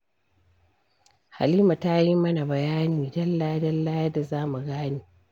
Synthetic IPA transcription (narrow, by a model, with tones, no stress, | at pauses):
ha̰˨liː˦ma˨ta˦ji˦mɐ˦na˨bɐ˨jaː˦niː˨dɐ˦lːa˦dɐ˦lːa˦jɐ˦da˨zaː˦mu˨ɡaː˦niː˨